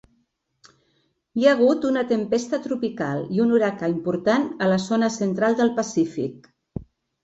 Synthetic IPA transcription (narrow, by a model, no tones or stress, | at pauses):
iaəɣ̞ut̪unət̪əmpest̪ət̪ɾupikalˠiunuɾakəimpuɾt̪anələzonəsənt̪ɾalˠd̪əlˠpəsifḭk̚